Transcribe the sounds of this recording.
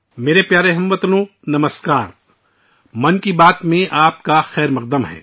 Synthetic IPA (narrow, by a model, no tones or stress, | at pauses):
meːɾepjaːɾeɦɐmʋɐt̪nõː | nɐməskaːɾ | mɐnkibaːt̪mẽʔaːp̚kaxɛːɾmɐq̚d̪əmɦɛ̰ː